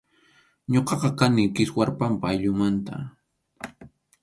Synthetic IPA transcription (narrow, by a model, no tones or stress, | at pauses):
ɲoqɑqɑkanɪkɪswaɾpampaːjʎʊmant̪a̰